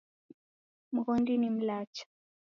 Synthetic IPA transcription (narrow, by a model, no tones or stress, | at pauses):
m̩ɣɔndinim̩lat͡ʃḁ